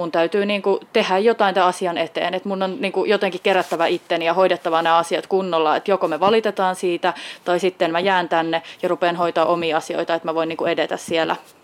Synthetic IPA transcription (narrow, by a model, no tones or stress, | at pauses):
munt̪æyt̪yːniːŋkut̪ehæjjot̪ɑˑint̪æɑsiɑnet̪ḛːnet̪munːonniːŋkujot̪eŋkikkeɾæt̪ːæʋæʔit̪ːenijɑhoidet̪ːɑʋɑnæːɑsiɑt̪kunːolːɑet̪jokomeʋɑlit̪et̪ɑːnsiːt̪æt̪ɑisit̪ːenmæjæːnt̪ænːejɑrupeːnhoit̪ɑːʔomiːɑsio̰it̪ɑet̪mæʋoiniːŋkuedet̪æssielæ̰